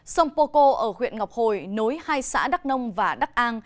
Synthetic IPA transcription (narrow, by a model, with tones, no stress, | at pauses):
sə˧wŋ͡mpo˧ko˧ʔəː˧˩xwḭ˧˨ənŋa˨˩wp̚ho˨˩jno˨˦jhaː˧jsa̰ː˧˥ɗa˦˥k̚nə˧wŋ͡mvaː˨˩ɗa˦˥k̚ʔaː˧n